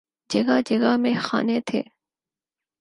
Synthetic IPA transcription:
d͡ʒɐɡad͡ʒɐɡamẽxa̰ːnet̪ʰḛː

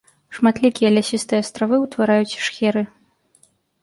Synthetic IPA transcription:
ʂmat̪lʲikʲijɐlʲasʲist̪ɨjɛɐst̪ɾavɨwt̪vaɾajut͡sʲʂxʲɛɾɨ

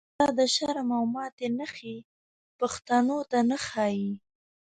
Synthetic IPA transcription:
ɑd̪əʃaɾmawmɑt̪enəxi | paxt̪anot̪anəxɑji

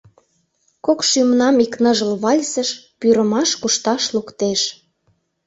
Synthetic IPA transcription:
kokʃymnɑmiknəʒəlβɑlʲsə̆ʃ | pyɾə̆mɑʃkuʃt̪ɑʃlukt̪eʃ

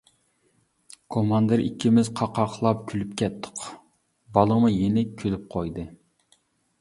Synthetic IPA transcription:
kʰomɑnd̪ɨɾʔḭkʲʰːimɪzqʰɑqʰɑqʰlˠɑpkʲʰylypkʲʰɛt̪ʰːʊ̥q | bɑlˠəmɨjenɪkʲʰylyp̚qʰojd̪ɨ

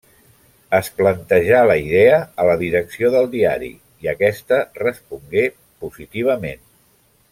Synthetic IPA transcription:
əsplənt̪əʒaləiðeəələðiɾəksioðəlˠd̪ia̰ɾḭ | iəkɛst̪ərəspuŋɡe | puzit̪iβ̞əmen

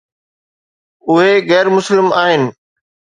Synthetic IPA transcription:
ʊɦeɣɛːɾmʊslɪmaːɦɪnɪ̆

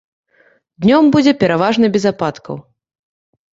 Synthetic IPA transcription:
d̪nʲɔmbud͡zʲɛpʲɛɾavaʐnɐbʲɛzapat̪kɐ̰w

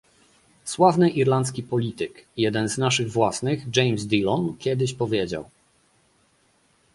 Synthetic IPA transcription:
swavnɘʔiɾlant̪skʲipɔlʲit̪ɘkjɛd̪ɛnznaʂɘɣvwasnɘɣd͡ʐɛjmzd̪ʲilɔnkʲɛd̪ɘɕpɔvʲjɛd͡ʑa̰w

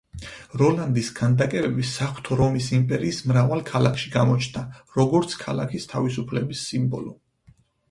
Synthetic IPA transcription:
ɾɔland̪isɡ̥and̪akʼɛbɛbisaχw̥t̪ʰɔɾɔmisimpʼɛɾiːsmɾavalˠkʰalakʰʃiɡamɔt͡ʃʰnaɾɔɡɔɾt̪sʰkʰa̰la̰kʰist̪ʰavisupʰlɛbisːimbɔ̰lɔ

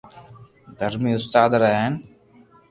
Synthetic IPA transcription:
d̪ʱəɾmiːʊst̪aːd̪ɾəɦen

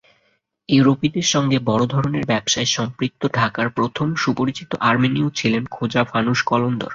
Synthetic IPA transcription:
eɾopid̪eɾʃɔŋɡebɔɾod̪ʱɔɾoneɾbɛbʃaeʃɔmpɾik̚t̪ːoɖʱakaɾpɾot̪ʰomʃupoɾit͡ɕit̪ːoʔaɾminiot͡ɕʰilenkʰod͡ʑafanuʃkɔlond̪o̰ɾ

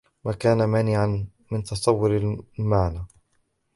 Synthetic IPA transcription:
maːkaːnamaːnɪʕan | mɪnt̪ɑsˤɑwːʊɾalmaʕnaː

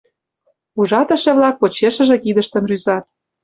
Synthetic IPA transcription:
uʒɑt̪ə̆ʃĕβlɑk̚pot͡ɕeʃə̆ʒĕkid̪ə̆ʃt̪ə̆nryzɑt̪̚

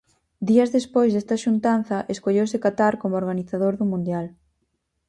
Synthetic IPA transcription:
d̪iɐzðespojzðɛst̪ɐʃunt̪anθɐʔeskoʎowsɪkat̪aɾkomooɾɣaniθaðoɾðumũnd̪jal

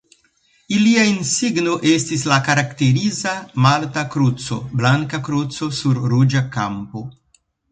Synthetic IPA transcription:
iliainsiɡnoʔestislakaɾakteɾizamaltakɾut͡so̞̰blaŋkakɾut͡so̞suɾːud͡ʒakampo

